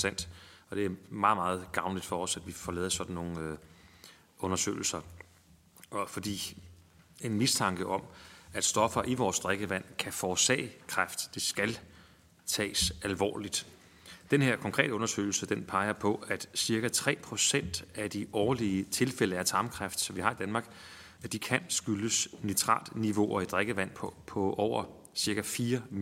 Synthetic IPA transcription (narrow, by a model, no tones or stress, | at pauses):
sæn̰d̥ɒ̽d̥e̝æɐmɑ̈ːð̩ˠmɑ̈ːð̞̩ˠɡ̥ɑ̈ʊnlid̥fɒ̽ɒ̽sæd̥ʋifɒlɛːð̩ˠɐsɒ̽d̥n̩no̝ːŋ̩ | ʔɔ̽nɐsø̰ːl̩sɐ | ɒfɒ̽d̥ḭː | e̝nmist͡sʰɑ̈ŋɡ̥əʔɒ̽mæd̥sd̥ɒ̽fɐʔiʋɒːsd̥ʁaeɡ̥əʋæn̰kʰæfɒːsɛ̰ːɪkʰʁafd̥d̥e̝sɡ̥æl | t͡sʰɛ̰ːsælʋɒ̰ːlid̥ | d̥enhe̝ɐ̰kʰɒŋkʰʁɛ̰ːd̥əɔ̽nɐsø̰ːɪl̩səd̥enpʰɑ̈ɪɐpʰɒ̽æd̥siɐɡ̥æt͡sʰʁɛ̰ːpʰʁo̝sen̰d̥æd̥iɒːɐliət͡sʰe̝lfel̰əæɐt͡sʰɑ̈ːmkʰʁafd̥sɒ̽ʋiɦɑ̈id̥ænmɑ̈ːɡ̥ | æd̥ikʰænsɡ̥yləsnit͡sʰʁɑ̰̈ːld̥niʋo̝ʔɒid̥ʁeɡ̥əʋæn̰pʰpʰɒ̽ʔɒʊ̰ɐ | siɐɡ̥æfiːɐ